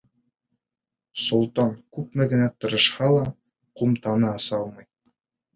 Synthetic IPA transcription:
sŏlˠt̪ɑŋkʉp̚mɘɡɘ̆næt̪ɤ̆ɾɤ̆ʃhɑlˠɑ | qumt̪ɑnɤɑsɑlˠmɤj

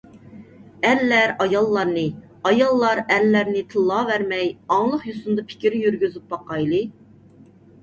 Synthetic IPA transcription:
ælːæɾɑjɑlˠːɑɾnɨ | ɑjɑlˠːɑɾælːæɾnɪt̪ʰɨlˠːɑːvæɾmɛjɑŋlˠəqjusund̪ɑpʰɪ̥kʲiɾɪjyɾɡʲyzyp̚bɑqɑjlˠɨ

